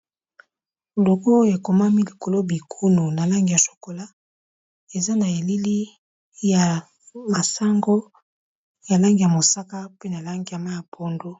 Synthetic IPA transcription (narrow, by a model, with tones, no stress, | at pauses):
lo˨ko˦e˨ko˨ma˦mi˦li˨ko˨lo˦bi˨kʰu˦nu˨na˨la˦ŋɡi˨ja˨so̥˨ko˨la˦ | e˨za˦na˨e˨li˦li˦ | ja˨ | ma˨sa˦ŋɡo˦ | ja˨la˦ŋɡi˨ja˨mo˨sa˦ka˦pe˦na˨la˦ŋɡi˨ja˨ma˦ja˨pʰo˦ndo˦